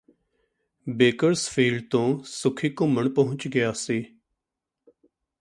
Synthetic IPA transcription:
beːkəɾsfʰiːlɖt̪õːsʊkʰiːkʊməɳpəɦʊ̃t͡ʃɡɪjaːseː

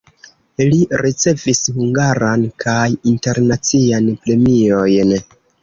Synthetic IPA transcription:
liɾit͡se̞vishuŋɡaɾankʰajinte̞ɾnat͡sianpɾe̞mio̞jn

